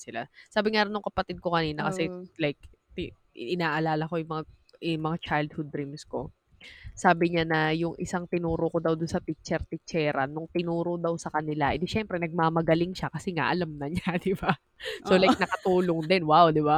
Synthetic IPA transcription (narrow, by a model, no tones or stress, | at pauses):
sɪla̰saːbɪŋaɾonːʊŋkɐpɐt̪ɪd̪̚ko̞kɐniːnɐkɐsɛlajk̚t̪ɪ | ɪnaːʔɐlaːlɐko̞jʊŋmɐŋa | ʔɛmɐŋat͡ʃajld̪̚hʊd̪̚ːɾimsko̞ | saːbɪɲanɐjʊŋʔɪ̰saŋt̪ɪnuːɾoko̞d̪ɐwd̪ʊnsɐt̪ik̚t͡ʃɛɾt̪ɪt͡ʃɛːɾɐnːʊŋt̪ɪnuːɾod̪ɐwsɐkɐnɪlaʔɛ̰nd̪ɛʃɛmpɾɛnɐɡ̚maːmɐɡɐlɪŋʃakɐsɛŋa̰ʔɐlamnɐɲad̪ɪba | solajk̚nɐkɐt̪uːloŋd̪ɛnwawd̪ɪba